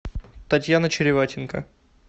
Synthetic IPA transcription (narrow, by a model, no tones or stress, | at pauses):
t̪ɐtʲjanət͡ɕɪɾʲɪvatʲɪnkə̰